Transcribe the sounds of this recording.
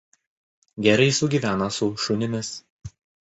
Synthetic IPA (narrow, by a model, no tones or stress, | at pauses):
ɡʲɛɾɐɪsʊɡʲiːʋʲæːnɐsʊʃʊnʲɪmʲɪs